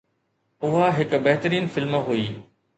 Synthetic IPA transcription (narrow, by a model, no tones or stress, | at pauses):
ʊɦaɦɪkbɐɦt̪əɾiːnfɪlmɦuiː